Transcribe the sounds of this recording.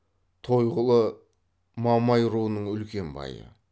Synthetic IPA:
t̪ʰo̞jʁəlˠə | mɑmɑjɾuənəɴʏlkʲe̞mbɑ̰jə̰

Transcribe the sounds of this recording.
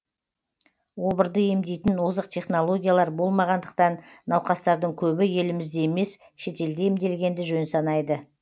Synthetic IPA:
wo̞bəɾd̪əje̞md̪e̞jt̪ɪnwozəq̚t̪ʲʰe̞χno̞lˠo̞ɡʲijalˠɑɾbo̞lˠmɑʁɑnd̪əq̚t̪ɑnːɑwqɑst̪ɑɾd̪əɴkʲʰɵbɪje̞lɪmɪzd̪e̞eme̞s | ʃe̞t̪e̞ld̪e̞imd̪e̞lɡʲe̞nd̪ɪʒɵnsɑnɑjd̪ə

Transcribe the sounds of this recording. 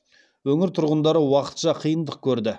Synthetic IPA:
wɵŋɪɾt̪ʰʊɾʁənd̪ɑɾəwɑqə̥t̪ʃɑqʰijənd̪əq̚kʲʰɵɾd̪ɪ

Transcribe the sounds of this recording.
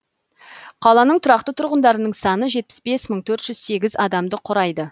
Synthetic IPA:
qʰɑlˠɑnəɴt̪ʰʊɾɑqt̪ət̪ʰʊɾʁənd̪ɑɾənəɴsɑnəʒe̞t̪̚pɪ̥sbe̞sməɴt̪ʰɵɾt̪ʒ̥ʏz̥se̞ɡʲɪzɑd̪ɑmd̪əqʰʊɾɑjd̪ə

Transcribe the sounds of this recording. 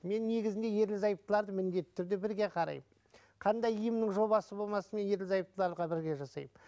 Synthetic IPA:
me̞nːe̞ɡʲɪzɪnd̪e̞je̞ɾlɪzɑjəp̚t̪əlˠɑɾd̪əmɪnd̪e̞t̪ːɪ̥t̪ʰʏɾd̪ebɪɾɡʲe̞qʰɑɾɑ̰jm | qʰɑnd̪ɑjijəmnɪŋʒo̞βɑsəbo̞lˠmɑsəme̞nje̞ɾlɪzɑjəp̚t̪əlˠɑɾd̪əʁɑbɪɾɡʲe̞ʒɑsɑ̰jəm

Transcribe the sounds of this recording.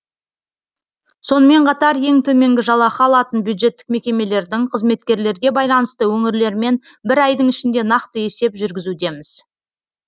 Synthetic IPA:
so̞nəme̞ɴqʰɑt̪ɑɾje̞ŋt̪ʰɵme̞ŋɡʲɪʒɑlˠɑχɑɑlˠɑt̪ənbjud̪ʒe̞t̪ːɪ̥k̚me̞kʲe̞me̞le̞ɾd̪ɪŋqʰəzme̞t̪kʲe̞ɾle̞ɾɡʲe̞bɑjlˠɑnəst̪əwɵŋɪɾle̞ɾme̞n | bɪɾɑjd̪əŋɪʃɪnd̪e̞nɑqt̪əe̞se̞pʒʏɾɡʲɪzud̪e̞mɪz̥

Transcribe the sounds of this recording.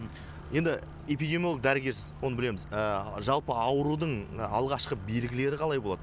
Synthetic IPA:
je̞nd̪ɪ | epijd̪ʲemjolˠək̚d̪æɾɪɡʲe̞ɾsɪzwonəbɪle̞mɪzəʒɑlˠpəɑwəɾud̪əɴɑlˠʁɑʃqəbe̞lɡʲɪle̞ɾɪqʰɑlˠɑjbo̞lˠɑ̰d̪ə

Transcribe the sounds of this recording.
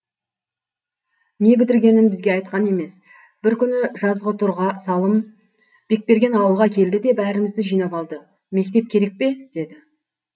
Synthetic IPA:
ne̞bɪt̪ɪɾɡʲe̞nɪnbɪzɡʲe̞ɑjt̪̚qɑne̞me̞s | b̥ɪɾkʲʰʏnɪʒɑzʁət̪ʰʊɾʁɑsɑlˠəm | b̥e̞k̚pe̞ɾɡʲe̞nɑwəlˠʁɑkʲʰe̞ld̪ɪd̪e̞bæɾɪmɪzd̪ɪʒijnɑpɑlˠd̪ə | me̞k̚t̪e̞p̚kʲʰe̞ɾe̞k̚pe̞d̪̥e̞d̪ɪ

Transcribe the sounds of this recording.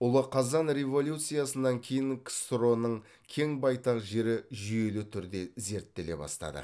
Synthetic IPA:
ʊlˠəqʰɑzɑnɾʲe̞vo̞lʲjut̪sɨjasənːɑŋkʲʰe̞jɪŋkʲʰst̪ɾo̞nəɴ | kʲʰe̞ŋbɑjt̪ɑqʒe̞ɾɪʒʏje̞lut̪ʰʏɾd̪e̞ze̞ɾt̪ːe̞le̞̰bɑ̰st̪ɑ̰d̪ə̰

